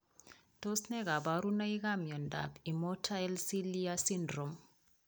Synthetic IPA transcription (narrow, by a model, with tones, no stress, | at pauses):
to˦snɛ˦ka˨ba˨ɾu˦na˦i˦ɣa˦mjɔ˨nda̰˨bi˨mɔ˦tʰa˦jlsi˦lia˦si˦ndɾo˨m